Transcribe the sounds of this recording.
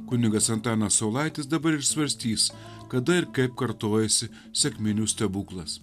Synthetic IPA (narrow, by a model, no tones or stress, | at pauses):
kʊnʲɪɡɐsɐnt̪ɑːnɐsɐʊlˠɐɪt̪ʲɪs̬d̪ɐbɐɾɪʃsʋɐɾʲsʲt̪ʲiːs | kɐd̪ɐɪɾkɐɪp̚kɐɾt̪oːjɛsʲɪ | sʲɛkʲmʲɪnʲusʲt̪ʲɛbuːklˠɐs